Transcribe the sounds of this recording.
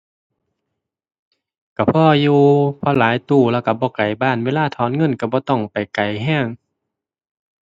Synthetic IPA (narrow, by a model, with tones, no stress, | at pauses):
ka˧˩pʰɔː˧juː˧pʰɔː˧˨laː˨˦jt̪uː˧˩lɛː˧˨wka˧˩bɔː˧˦ka˨˩jbaː˧˩˨nweː˧˨laː˧˨t̪ʰɔː˨˦˨nŋɤ˧˥˨nka˧˩bɔː˧˦t̪ɔ˧˩ŋpa˨jka˨˩jɦɛː˧˥˨ŋ